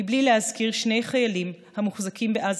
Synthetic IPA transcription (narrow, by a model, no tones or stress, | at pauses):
iblilehazkiʁʃnejχajalim | hamuχzakimbeʔaz